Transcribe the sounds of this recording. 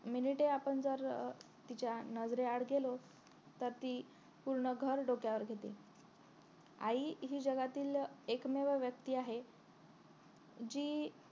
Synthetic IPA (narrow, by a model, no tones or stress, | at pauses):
miniʈeapəɳd͡zəɾ | t̪it͡ɕjanəd͡zɾeaɽɡelo | t̪əɾt̪iː | puɾɳəɡʱəɾɖokjaʋəɾɡʱet̪ḭ | a̰iɦiːd͡ʑəɡat̪iːlekmeʋəʋjək̚t̪iːaɦe | d͡ʑiː